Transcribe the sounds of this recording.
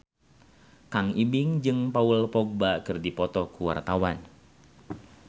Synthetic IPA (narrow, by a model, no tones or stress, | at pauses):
kaŋibiŋd͡ʒɨŋpaulpɔk̚bakɨrdipɔt̪ɔkuwa̰rt̪awan